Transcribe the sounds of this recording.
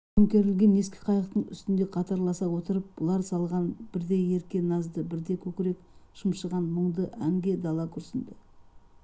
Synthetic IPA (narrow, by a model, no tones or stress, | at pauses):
əmkʲe̞ɾɪlɡʲe̞nːe̞skʲe̥qʰɑjəqt̪əɴʏ̰st̪ɪnd̪e̞qʰɑt̪ɑɾlˠɑsɑwo̞t̪əɾəp̚b̥ʊlˠɑɾsɑlˠʁɑnbɪɾd̪e̞e̞ɾkʲe̞nɑzd̪əbɪɾd̪e̞kʲʰɵkʲɪɾe̞kʃəmʃəʁɑnməɴd̪əʔæŋɡʲe̞d̪ɑlˠɑkʲʰʏɾsɪnd̪ɪ